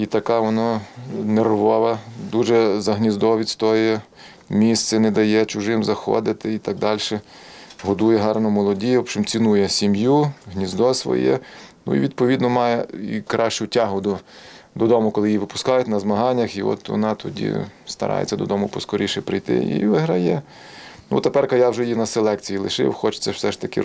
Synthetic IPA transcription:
it̪ɐkɑʋɔnanerʋɔʋɐd̪uʒɛzɐɦnʲizd̪ɔʋʲid̪ʲst̪ɔjʊjɛ | mʲist̪sɛnɛd̪ɐjɛt͡ʃʊʒɪmzɐxɔ̰d̪ɪt̪ɪit̪ɑɡ̚d̪ɑlʲʃɛɦɔd̪ujɛɦɑrnɔmɔlˠɔdʲijɔpt͡ʃɪmt͡sʲinujɛsʲimjuɦnʲizd̪ɔsʋɔ̰jɛ̰nṵḭʋʲid̪̚pɔʋʲid̪nɔmɑjɛikɾɑʃt͡ʃʊtʲɑɦʊd̪ʊd̪ɔd̪ɔmʊkɔlˠɪjiʋɪpʊ̥skɑjʊtʲnɐzmɐɦɑnʲːɐxiɔ̰t̪ʋɔ̰nɑt̪ʰɔdʲḭst̪ɐ̰ɾɑ̰jḛt͡sʲːɐd̪ɔd̪ɔmʊpɔskɔɾʲiʃɛpɾɪjt̪ɪ̰ḭʋɪɦɾɐjɛ | nṵt̪epɛrkɐjɑwʒɛjinɐselˠɛkt͡sʲijilˠɪʃɪ̰wxɔt͡ʃt͡s̪ʲɛwsɛʃt̪ɐkɪ̰

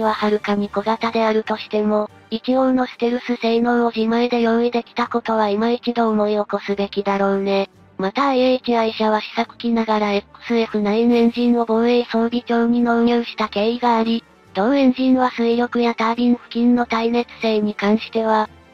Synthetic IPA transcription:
βahaɾɯ̟kamʲikoɡat̪ad̪e̞aɾɯ̟t̪o̞ɕi̥t̪e̞mo̞ | ikʲio̞no̞sɨ̥t̪eɾɯ̟sɨse̞ino̞ːoʑimaid̪e̞jo̞id̪e̞kʲi̥t̪ako̞t̪o̞βaimait͡ɕid̪o̞ːmo̞io̞ko̞sɨbe̞kʲid̪aɾo̞ːne̞ | mat̪aekʲiaiɕaβ̞aɕi̥sakɯ̟̥kʲinaɡaɾaesɨɾeɸɯ̟nainẽ̞ɲ̟ʑĩnːo̞boe̞iso̞ːɾʲikʲo̞ːɲ̟ino̞ɲoːɕi̥t̪ake̞ːiɡaːɾʲi | t̪oẽ̞ɲ̟d͡ʑĩɰβasɨijo̞kɯ̟jat̪aːɾʲĩɰɸɯ̟̥kʲĩnːo̞t̪aine̞t͡sɨ̥se̞ːɲ̟ikãɰ̃ɕi̥t̪e̞βa

